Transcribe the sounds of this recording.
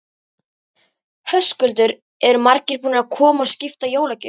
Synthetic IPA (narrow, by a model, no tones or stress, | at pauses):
hœskʏlt̪ʏɾ | ɛɾʏmaɾcɪɾpunɪɾaðkʰɔːmaɔwscɪft̪ajoːwlacʏ